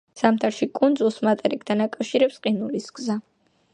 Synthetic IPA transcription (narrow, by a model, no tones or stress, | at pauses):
samt̪ʰaɾʃikʼund̪zulˠsmat̪ʼɛɾik̚t̪ʰanakʼafʃiɾɛpsqʼinulisɡza